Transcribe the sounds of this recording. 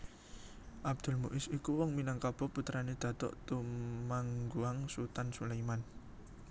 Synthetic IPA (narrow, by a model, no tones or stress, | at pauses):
ʔab̚d̪̥ʊ̤lmuʔɪsikuwɔŋminaŋkab̥ɔ̤put̪ɾaned̪̥ä̤t̪ɔ̰ʔt̪umaŋɡuaŋsut̪ansulajman